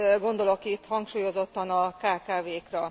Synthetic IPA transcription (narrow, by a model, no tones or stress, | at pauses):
ɡo̞nd̪o̞lokit̪hɒŋkʃuːjo̞zo̞t̪ːɒnɒkaːkaːveːkrɒ